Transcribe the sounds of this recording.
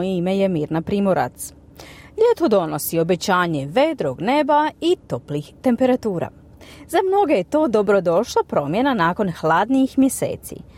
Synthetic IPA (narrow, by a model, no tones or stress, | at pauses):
jeime̞je̞miːɾnapɾiːmoɾa̰t̪s | ʎet̪o̞d̪o̞no̞sio̞be̞t͡ɕaːɲe̞ʋe̞d̪ɾoɡne̞bait̪o̞plixt̪e̞mpe̞ɾat̪uːɾa̰ | zamno̞ɡejet̪o̞ːd̪o̞bɾo̞d̪o̞ʃlˠapɾo̞mje̞nanaːko̞nxlaːd̪niixmjese̞̰ːt̪sḭ